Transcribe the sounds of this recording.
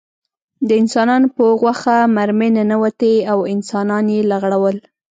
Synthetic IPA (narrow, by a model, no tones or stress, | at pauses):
d̪əɪnsɑnɑnopəɣwaxamaɾmɪnanawat̪eawɪnsɑnɑnjelaɣɽawəl